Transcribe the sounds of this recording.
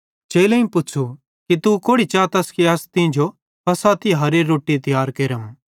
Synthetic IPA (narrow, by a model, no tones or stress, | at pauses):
t͡ʃeːlẽĩpʊːt͡ʃʰu | kit̪ukoːɽit͡ʃaːt̪ɐskiɐst̪ĩd͡ʒo | pɐsat̪iɦɐɾeɾoːʈːit̪ɪjaːɾkeːɾəm